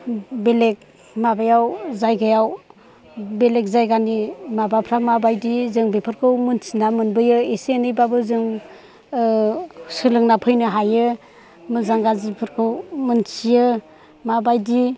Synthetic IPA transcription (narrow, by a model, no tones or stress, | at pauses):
belek̚ | mabajawzajɡajaw | belek̚zajɡanimabapʰɾamabajdizɯŋbepʰɯɾkʰɯwmɯnsinamɯnbɯjɯeseenɯjbabɯzɯŋ | sɯlɯŋnapʰɯjnɯɦajɯ | mɯzaŋɡazipʰɯɾkʰɯwmɯnsijɯ | mabajdi